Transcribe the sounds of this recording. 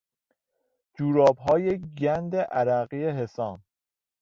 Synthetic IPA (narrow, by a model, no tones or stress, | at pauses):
d͡ʒuːɾɒːbɦɒːjeɡænd̪eʔæɾæɣijeɦe̞sɒːn